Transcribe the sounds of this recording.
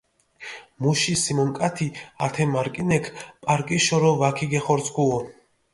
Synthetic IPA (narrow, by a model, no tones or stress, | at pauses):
muʃisimɔŋkʼat̪ʰiat̪ʰɛmaɾkʼinɛkʰpʼaɾkʼiʃɔɾɔvakʰiɡɛχɔɾsʰkʰuɔ